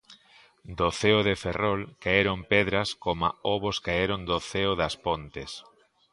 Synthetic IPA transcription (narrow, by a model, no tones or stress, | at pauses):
d̪oθeʊðeferɔlkaeɾompɛðɾɐskoma̰oβoskaeɾond̪oθeʊðɐspont̪es